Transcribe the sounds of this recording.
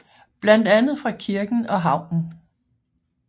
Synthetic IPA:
b̥læn̰d̥ænð̞̩ˠfʁɑ̈kʰiɐɡ̥n̩ɒ̽ɦɑ̈ʊ̰n̩

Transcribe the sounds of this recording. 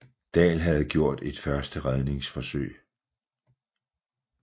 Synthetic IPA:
d̥ɛ̰ːlɦæð̞̩ˠɡ̥jo̝ɐ̰d̥e̝d̥fɶɐsd̥əʁaðˠne̝ŋsfɒ̽søɪ̰

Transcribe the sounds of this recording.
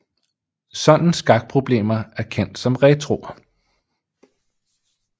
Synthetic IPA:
sɒ̽n̰n̩sɡ̥ɑ̈ɡ̥̚pʰʁo̝b̥le̝̰ːmɐæɐkʰen̰d̥sɒ̽mʁɛt͡sʰʁo̝

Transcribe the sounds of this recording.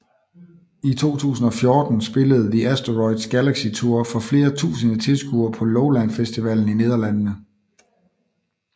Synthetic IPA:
it͡sʰo̝̰ːt͡sʰṵːsn̩ɒ̽fjɔːd̥n̩sb̥e̝ləð̞̩ˠdiʔæsd̥ɐʁɒɪd̥sɡ̥ælæɡ̥sit͡sʰuɐ̰fɒ̽fle̝ːɐt͡sʰṵːsənət͡sʰe̝lsɡ̥uɐpʰɒ̽loʊlænfesd̥iʋæl̰n̩ine̝ːð̞ˠɐlæn̰nə

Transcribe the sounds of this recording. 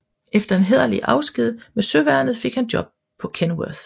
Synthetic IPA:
ʔefd̥ɐe̝nɦeðˠɐliʔɑ̈ʊsɡ̥ið̞̰ˠmesøʋæɐnð̩ˠfe̝ɡ̥hænd̥jɒ̽b̥̚ | pʰɒ̽kʰenwøð̥

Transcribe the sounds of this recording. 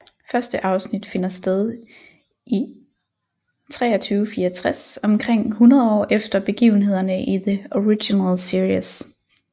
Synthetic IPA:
fɶɐsd̥əʔɑ̈ʊsnid̥fe̝nɐsd̥eð̞ˠ | ʔi | t͡sʰʁɛ̰ːɐt͡sʰyːʊfiːɐt͡sʰʁasɒ̽mkʰʁeŋ̰hunɐð̞ˠɒ̰ːefd̥ɐb̥e̝ɡ̥ḭːʊn̩ɦe̝ð̰ˠɐnəʔiðəoʁiɡinælsiɐis

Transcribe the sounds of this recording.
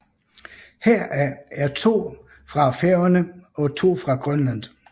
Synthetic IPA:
heɐ̰ʔææɐt͡sʰo̝̰ː | fʁɑ̈feʊɐnəɒ̽t͡sʰo̝̰ːfʁɑ̈ɡ̥ʁœnlæn̰

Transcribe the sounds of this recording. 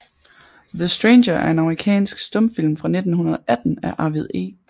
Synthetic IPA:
ðəsd̥ʁeɪnɕɐʔæɐe̝nɑ̈məʁikʰɛ̰ːnsɡ̥sd̥ɔ̽mfil̰mfʁɑ̈ne̝d̥n̩hunɐðˠɒʔæd̥n̩æʔɑ̈ʋiðˠe̝̰ː

